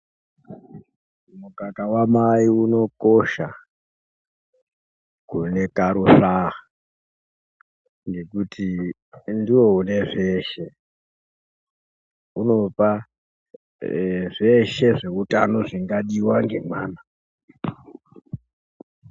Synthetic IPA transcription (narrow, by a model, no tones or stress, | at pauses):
mukakawamaiuno̞ko̞ʃa | kune̞kaɾuɬa | ŋɡe̞kutʰi | ndiwo̞une̞ʐe̞ːʃe̞ | uno̞pa | ʐe̞ʃe̞ʐe̞utano̞ʐiŋɡaɗiwaŋɡe̞mwaːna